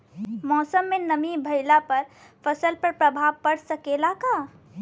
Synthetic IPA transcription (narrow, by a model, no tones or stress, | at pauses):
mɔsəmːenəmibʱəɪlapəɾ | pʰəsəlpəɾpɾəbʱabpəɽsəkelaka